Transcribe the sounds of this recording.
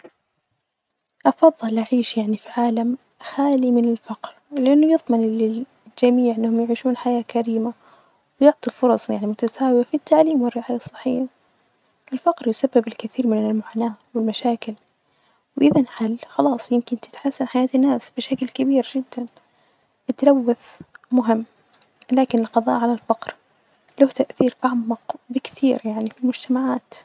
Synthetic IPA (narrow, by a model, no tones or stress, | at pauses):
ʔɑfɑðˤːɨlʔaʕiːʃjaʕnifiʕaːlam | xaːlimɪnɪlfɑqɾlɪʔanːʊjɨðˤmɪnlɪ | d͡ʒamiːʕɪnːahʊmjɪʕiːʃuːnħajaːkaɾiːma | wjʊʕt̪ˤifʊɾˤɑsˤjaʕnimʊt̪asaːwɪjafit̪ʰːaʕliːmwɪrːɪʕaːjasˤːɑ̥ħiːħ | ʔɪlfɑqɾjʊsabːɪbɪlkɪθiːɾmɪnɪlmʊʕanaːwɪlmaʃaːkɪl | wʔɪðanħalːxɑlɑːsˤjɪmkɪnt̪ɪ̥t̪ħasːanħajaːt̪ɪnːaːsb̥ɪʃaklkabiːɾd͡ʒɪd̪ːan | ɪt̪lawːaθmʊɦɪmː | laːkɪnɪlqɑðˤɑ̰ːʔʕalalfɑqɾ | laht̪aʔθiːɾʔaʕmɑqbɪkθiːɾjaʕnifilmʊd͡ʒt̪amaʕaːt̪